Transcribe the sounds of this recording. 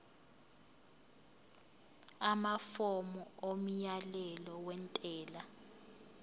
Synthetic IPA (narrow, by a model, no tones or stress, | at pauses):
amafɔmɔom̩jalɛlɔwɛntʼɛːla